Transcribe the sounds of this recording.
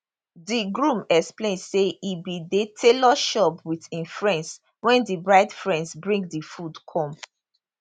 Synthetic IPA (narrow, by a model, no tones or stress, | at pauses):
diɡɹũmɛksplẽndseibidetʰelɔʃɔpwiθĩnfɹɛ̃ns | wɛ̃ndibɹaɪdfɹɛ̃ndzbɹĩŋɡdifudkʰɔ̃m